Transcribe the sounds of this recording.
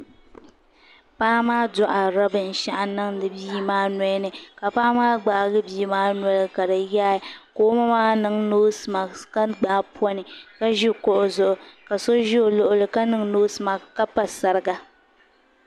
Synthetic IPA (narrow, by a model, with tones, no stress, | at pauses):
paː˦maː˦dɔ˨ʔa˨ɾa˦bɨ˨n̩˨ʃa˦ʔa˨nɨ˦ŋdɨ˨biː˦maː˦nɔ˦jnɨ˨ka˨paː˦maː˦ɡ͡ba˨ɡɨ˦biː˦maː˦nɔ˦lɨ˦ka˨dɨ˨ja˦˨koː˦ma˦maː˦nɨ˦ŋnoː˦sma˨ka˦ɡ͡baː˦pɔ˦nɨ˨ka˦ʒɪ˦˨kɔ˦ʔʊ˦˨zʊ˨ʔʊ˨ka˨so˦ʒɪ˦o˨lʊ˦ʔʊ˦lɨ˨ka˦nɨ˦ŋnoː˦sɨ˨ma˨ka˦pa˨sa˨ɾɨ˦ɡa˨